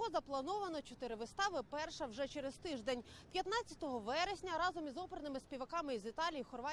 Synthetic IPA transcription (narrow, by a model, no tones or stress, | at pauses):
ɔzɐplˠɐnɔʋɐnɔt͡ʃɔt̪ɪɾɪʋɪst̪ɑʋɪpɛrʃɐwʒɛt͡ʃɛɾest̪ɪʒd̪enʲpʲjɐt̪nɑt͡sʲːɐ̥t̪ɔɦɔʋɛɾesʲnʲɐɾɑzɔmizɔpeɾnɪmɪspʲiʋɐkɑmɪizit̪ɑlʲijixɔrʋɑ